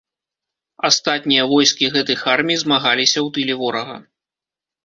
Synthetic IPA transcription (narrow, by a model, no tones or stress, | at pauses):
ast̪at̪̚ʲnʲijɐvɔjskʲiɣɛt̪ɐjxarmʲijzmaɣalʲisʲɐwt̪ɨlʲɛvɔɾɐɣɐ̰